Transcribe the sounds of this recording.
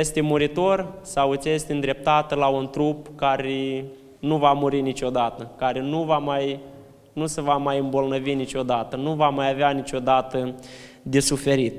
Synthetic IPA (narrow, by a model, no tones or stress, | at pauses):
jest̪emuɾit̪o̞rsawɨt̪sʲjest̪ʲɨnd̪ɾe̞p̚t̪at̪əlaunt̪ɾupkaɾe | nuvamuɾinit͡ʃʲo̞d̪at̪əkaɾenuvamaj | nusevamajɨmbo̞lnəvinit͡ʃʲo̞d̪at̪ənuvamajaveanit͡ʃo̞d̪at̪ə | d̪e̞sufe̞ɾit̪